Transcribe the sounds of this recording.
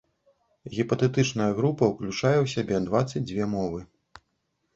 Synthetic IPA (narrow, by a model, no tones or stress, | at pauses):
ɣʲipɐt̪ɛt̪ɨt͡ʂnɐjɐɣɾupɐwklʲut͡ʂajɛwsʲabʲɛd̪vat̪sɐd͡zʲd͡zʲvʲɛmɔvɨ